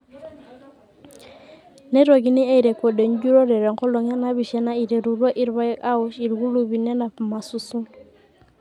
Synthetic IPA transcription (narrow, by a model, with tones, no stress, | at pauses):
ne˦ɾo˨ɡi˦ni˦a˦i˨ɾe˨kɔ˨de˨ɲ˦d͡ʒu˦ɾɔ˦ɾɛ˨ɾɛ˨ŋkɔ˦lɔ˨ŋa˦na˦βi˨ʃɛ˦na˦i˨ɾe˨ɾu˨ɾwa˦ʔi˦ɾβa˦i˦ka˦ɔ˦ʃi˨ɾɡu˦lu˨βi˨nɛ˦na˨ma˨su˦su˦